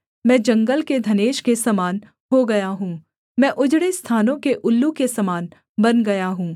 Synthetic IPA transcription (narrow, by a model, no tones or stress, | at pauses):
mɛ̃ːd͡ʒɐ̃ŋɡəlked̪ʱɐneːʃkesɐmaːn | ɦoɡɐjaɦũː | mɛ̃ːʔʊd͡ʒɽest̪ʰaːnõkeʔʊlːukesɐmaːn | bɐnɡɐjaɦũː